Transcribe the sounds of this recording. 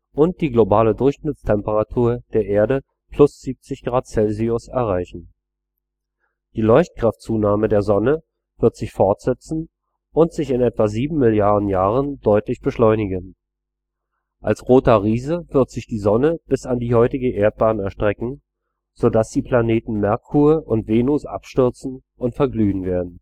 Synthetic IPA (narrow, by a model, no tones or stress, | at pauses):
ʔʊnt̚d̥iːɡlobaːlədʊɐçʃnɪt͡stʰɛmpəʁatʰuːɐd̥eːɐʔeːɐdə | pʰl̥ʊsz̥iːp̚t͡sɪçɡ̥ʁaːtt͡sɛlziʊsɛɐʁaɪçn̩ | d̥iːlɔʏçt̚kʁ̥aftt͡suːnaːmədeːɐzɔnə | v̥ɪɐtz̥ɪçfɔɐtz̥ɛt͡sn̩ | ʔʊntz̥ɪçɪnɛtv̥aziːbm̩mɪljaɐdn̩jaːʁənd̥ɔʏtlɪçb̥əʃlɔʏnɪɡən | ʔalsʁoːtɐʁiːzəv̥ɪɐtz̥ɪçd̥iːzɔnəb̥ɪsandiːhɔʏtɪɡəʔeːɐt̚b̥aːnɛɐʃtʁ̥ɛkŋ̩ | z̥odasd̥iːpʰl̥aneːtn̩mɛɐkʰuːəʔʊntv̥eːnʊsʔa̰pʃtʏɐt͡sn̩ | ʔʊntfɛɐɡlyːnveːɐdn̩